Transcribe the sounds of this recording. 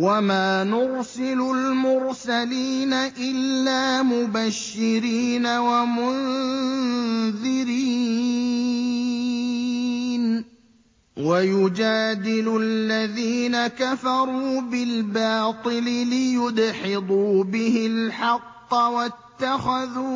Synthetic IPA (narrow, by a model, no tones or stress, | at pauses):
wamaːnʊɾsɪlʊlmʊɾsaliːnaʔɪlːaːmʊbaʃːɪɾiːnawamʊn | ðɪɾi | n | wajʊd͡ʒaːd̪ɪlʊlːaðiːnakafɑɾˤuːbɪlbɑːt̪ˤɨlɪlɪjʊd̪ħɪd̪ˤuːbɪhɪlħɑqːɑwat̪ːaxaðuː